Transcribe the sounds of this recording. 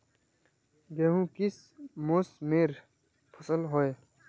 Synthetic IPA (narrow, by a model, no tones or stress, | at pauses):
ɡeɦũːkis | mosmeːɾ | pʰʊsəlɦoe